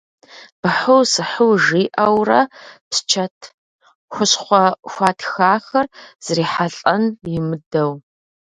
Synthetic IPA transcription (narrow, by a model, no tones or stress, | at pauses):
b̥ɨħʊwsɨħʊwʒiːʔɐwrɐpst͡ʃʰɐtʰ | xʷʊɕχʷɔxʷɑːtʰxaːxɐrz̥riːħaɬʼɐnjɪmɨdɐw